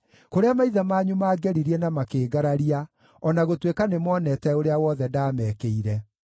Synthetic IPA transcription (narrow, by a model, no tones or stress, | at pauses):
koɾeamaiðamaːɲumaːɡɛɾiɾiɛnamakeːɡaɾaɾia | ɔnaɣotwekanemɔːnɛtɛoɾeawɔðɛdaːmɛkeiɾɛ